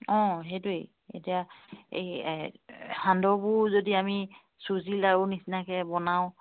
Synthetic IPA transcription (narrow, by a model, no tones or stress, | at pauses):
ɔ̃ɦejtuej | ḛtiaḛj | handɔbʊɹzodiami | suzilaʊnisinakɛbɔnaw̃